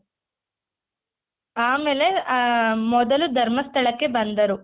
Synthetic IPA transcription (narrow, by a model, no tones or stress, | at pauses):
aːmele̞ | mɔd̪ɐlud̪ʱɐɾmɐst̪ʰɐɭɐkːe̞bɐnd̪ɐɾu